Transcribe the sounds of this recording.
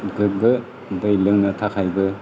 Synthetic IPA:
ɡɯk̚bɯ | dɯjlɯŋnɐtʰakʰajbɯ

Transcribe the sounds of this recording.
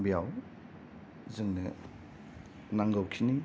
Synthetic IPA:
bijaw | zɯŋnɯ | naŋɡawkʰini

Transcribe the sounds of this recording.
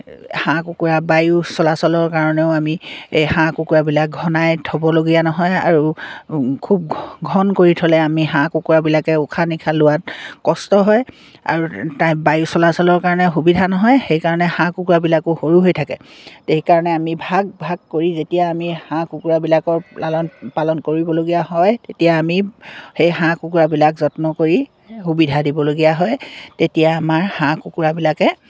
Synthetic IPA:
hãkukuɹabajusɔlasɔlɔɹkaɹɔnɛʊamiejhãkukuɹabilak̚ɡʱɔnajtʰɔbɔloɡijanɔɦɔja̰ɹu | kʰub̚ɡʱɔnkoɹitʰɔlɛamiɦãkukuɹabilakɛʊkʰanikʰalʊwatkɔstɔɦɔj | a̰ɹutãjbajusɔlasɔlɔɹkaɹɔnɛxubidʱanɔɦɔjxejkaɹɔnɛhãkukuɹabilakʊxoɹuɦojtʰakɛ̰teɦikaɹɔnɛamibʱaɡ̚bʱaɡ̚koɹizetijaːmihãkukuɹabilakɔɹlalɔnpalɔnkoɹibɔloɡijaɦɔjtetijaːmixejɦãkukuɹabilakzɔtnɔkoɹi | hubidʱadibɔloɡijaɦɔjtetijaːmaɹhãkukuɹabilakɛ

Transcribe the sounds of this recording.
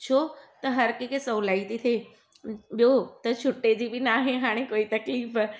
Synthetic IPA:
t͡ɕʰot̪ɐɦɐɾkekesɐːlait̪ʰit̪ʰe | ɓjot̪ɐt͡ɕʰʊʈːed͡ʑibʱinaɦeɦaːɽ̃ekoːit̪ɐkliːf

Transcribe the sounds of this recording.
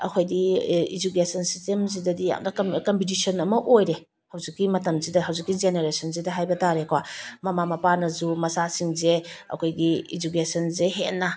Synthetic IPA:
ɐ̰kʰojdiid͡ʒukesɔnsistemzidɐdija̰ŋdɐkɔmpʰit̬isʰɔnɐmɐʔojɾe | hawzikːimɐtɐmzidɐɦawzikːid͡ʒeneɾesɔnzidɐɦajbɐtaɾekʰwamɐmamɐpanɐzumɐsasiŋzeɐ̰kʰojɡiid͡ʒukesɔnzeɦena

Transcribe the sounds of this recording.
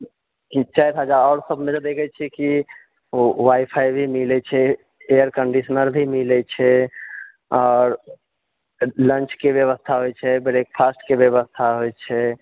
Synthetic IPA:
kit͡ʃajt̪ɦəd͡ʒaɾɔːɾsəbʱmed͡ʒed̪ekʰɛt͡ʃʰɛki | waipʰaibʱimilɛt͡ʃʰɛ | eəɾkəɳɖisənəɾbʱimilɛt͡ʃʰɛ | ɔːɾ | lənt͡ʃkebjəβəst̪ʰaɦojt͡ʃʰɛbeɾek̚pʰasʈkebjəβəst̪ʰaɦojt͡ʃʰɛ

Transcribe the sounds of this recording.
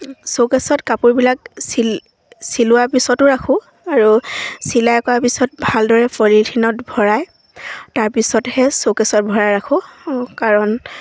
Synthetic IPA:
sokɛsɔtkapuɹbilak̚sil | silʊwaɹpisɔtʊɹakʰʊ̃ | aɹusilajkɔaɹpisɔt̚bʱaldɔɹɛpʰɔlitʰinɔtbʱɔɹaj | taɹpisɔthɛsokɛsɔt̚bʱɔɹajɹakʰʊ̃kaɹɔn

